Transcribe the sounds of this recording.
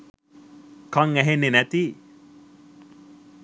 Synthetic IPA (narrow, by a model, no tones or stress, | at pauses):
kaŋæɦenːenæt̪i